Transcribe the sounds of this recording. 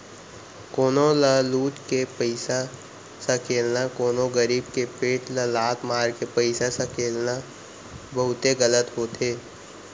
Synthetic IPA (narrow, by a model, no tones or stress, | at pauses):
koːnoləluːt͡ʃkepəɪsa | sakʰeːlnakoːnõɡəɾiːbkepeːʈləlaːt̪maːɾkepəɪsasakeːlna | bɐɦʊt̪eɣələt̪ɦot̪ʰeː